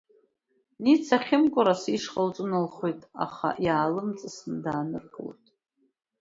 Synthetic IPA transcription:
nit͡sʰaχʲɪmkʷʼʊɾasiʂχəlt͡sʷʼɨnɨlχojtʼa̰χa̰ʔjaːlɨmt͡sʼɨsndaːnɨrɡʼɨlo̰jtʼ

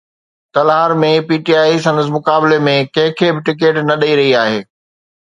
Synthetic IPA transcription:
t̪ɐlaːɾmẽpiːʈiaːisɐ̃nd̪əs̬mʊkaːbɪlemẽkɐ̃ɦɪ̃kʰebɪʈɪk̬eːʈnɐɗɐiɾɐɦiaːɦeː

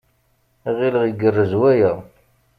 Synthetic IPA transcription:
iʁiləʁjəɡərːəzwæjæ

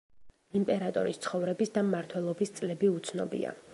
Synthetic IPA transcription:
impʼɛɾat̪ʼɔ̰ɾist̪sʰχɔvɾɛbisd̪amːaɾt̪ʰwɛlˠɔbist̪sʼlɛbiut̪sʰnɔbḭa̰

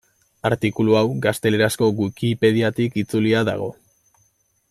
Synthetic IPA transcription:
aɾt̪ikuluawɡast̪e̞le̞ɾasko̞ɣwuikipe̞ðiat̪ikit͡suliaða̰ɣ̞o̞

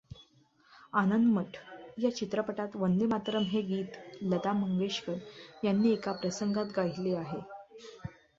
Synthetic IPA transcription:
anənd̪məʈʰjat͡ɕit̪ɾəpəʈat̪ʋənd̪emat̪ɾəmɦeɡiːt̪lət̪aməŋɡeɕkəɾjanːiːekapɾəsəŋɡat̪ɡaɦileaɦe

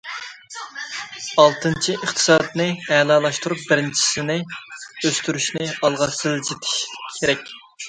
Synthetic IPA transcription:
ɑlˠt̪ʰɨnt͡ʃʰiʔəχt̪ʰɨ̥sɑd̪nɨɛlɑːlˠɑʃt̪uɾup̚bɪɾɪnt͡ʃʰi̥sɪnɪøst̪yɾyʃnɪɑlˠʁɑsɨld͡ʒit̪ʰɪ̥ʃkʲʰeɾɛkʲ

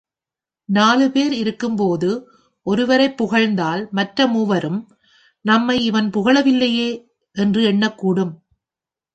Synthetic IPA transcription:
naːlɯpeːɾɪɾɯkːɯmpoːðɯ | ʔɔɾɯʋɐɾɐɪpːʊɣɐɻnd̪aːlmɐʈrɐmuːʋɐɾɯm | nɐmːɐɪɪʋɐnpʊɣɐɭɐʋɪlːɐjeː | ʔɛndrɯɛɳːɐkːuːɽɯm

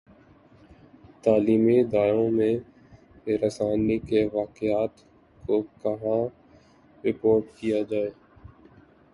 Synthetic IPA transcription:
t̪aːliːmid̪aːjõmẽ | ɾəsaːnikeʋaːqɪaːt̪ | kokɐɦã | ɾɪpoːɾʈkijad͡ʒaːeː

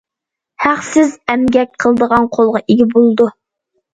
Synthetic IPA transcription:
hæχsɪzɛmɡʲɛk̚ʲqʰəlˠəd̪əʁɑnqʰolˠʁɑʔeɡʲibolˠɨd̪u

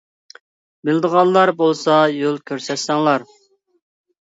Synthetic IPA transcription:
bɪld̪əʁɑnˠlːˠɑɾbolˠsɑjølˠkʲʰøɾsɛt̪sɛŋlˠɑɾ

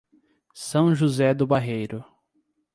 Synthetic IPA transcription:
sɐ̃w̃ʒuzɛd̪ʊbaɦejɾʊ

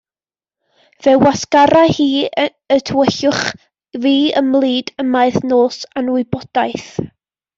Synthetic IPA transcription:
vɛwaskaɾahiː | ətʰəwəɬʊχ | viːəmlˠiːdəmaɨθnoːsanwɪbɔd̥ajθ

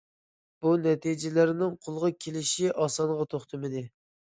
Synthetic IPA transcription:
b̥unɛt̪ʰid͡ʒɪlɪɾnɪŋqʰolˠʁɑkʲʰelɪʃiʔɑsɑnʁɑt̪ʰoχt̪ʰɨmɪd̪ɪ

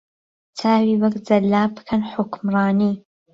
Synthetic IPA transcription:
t͡sʰaːwiːwɐɡd͡zɐlːaːbɨ̥kʰɐnħʊkmrɑːniː

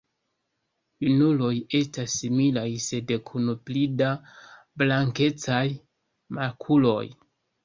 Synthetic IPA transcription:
junulo̞je̞stasːimilajse̞dkʰunuplida | blaŋke̞t͡saj | makʰulo̞̰j

